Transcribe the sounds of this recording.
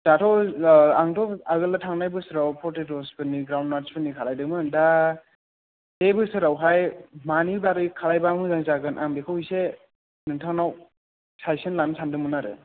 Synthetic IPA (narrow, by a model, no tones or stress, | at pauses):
d̥atʰɔwaŋtʰɔaɡɯlatʰaŋnajbɯsɯɾawpʰɔtetɔspɯniɡɾawndmaɾspɯnikʰalajdɯmɯnda | debɯsɯɾawɦajmanidaɾɯkʰalajbamɯzaŋzaɡɯnʔaŋbekʰɯwise | nɯŋtʰaŋnaw | sajsɯnlansʰandɯmɯnaɾɯ̰